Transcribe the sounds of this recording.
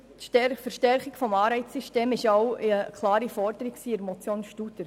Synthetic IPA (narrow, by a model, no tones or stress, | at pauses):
fəɾʃtɛɾχɪkfɔmɑːɾɛɪt͡sssyʃteːmɪʃɔwəkʰlˠɑːɾifɔɾd̪əɾiksiːɪɾmɔt͡sjoːnʃtut̪əɾ